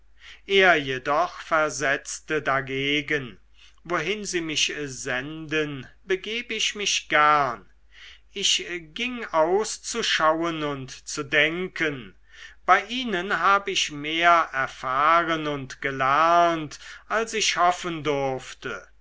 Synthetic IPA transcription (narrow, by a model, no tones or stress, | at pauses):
ʔeːɐjedɔχfɛɐzɛt͡stədaɡeːɡən | voɦɪnziːmɪʃzɛndənbəɡeːbəɪʃmɪʃɡ̥æɐn | ɪçɡ̥ɪŋaʊst͡suʃawənʊntt͡sudɛŋkən | b̥aɪʔiːnənɦaːbəɪçmeːɐɛɐfaːʁənʊntɡ̥əlɛʁɐntʔalsɪçhɔfəndʊɐftə